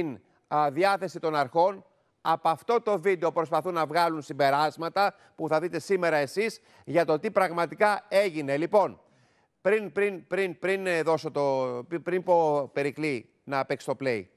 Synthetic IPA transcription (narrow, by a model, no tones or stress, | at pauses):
in | ðiɐθe̞sit̪o̞nɐɾxo̞n | ɐpoɐft̪o̞t̪o̞vid̪e̞opɾo̞spɐθunɐvɣɐlunsimbe̞ɾɐzmɐt̪ɐ | puθɐðit̪e̞sime̞ɾɐe̞siz | ʝɐt̪o̞t̪ipɾɐɣmɐt̪ikɐe̞ʝine̞lipo̞n | pɾinpɾinpɾinpɾinðo̞so̞t̪opɾinpo̞pe̞ɾikli | nɐpekst̪o̞ple̞j